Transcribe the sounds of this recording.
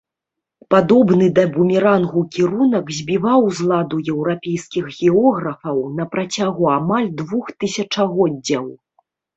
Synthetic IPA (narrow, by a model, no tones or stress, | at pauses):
pad̪ɔbnɨd̪ɐbumʲiɾanɣukʲiɾunɐkzʲbʲivawzlˠad̪ujɛwɾapʲejskʲixɣʲɛɔɣɾɐfɐwnɐpɾat͡sʲaɣuamalʲd̪vuxt̪ɨsʲɐt͡ʂɐɣɔd͡zʲːɐw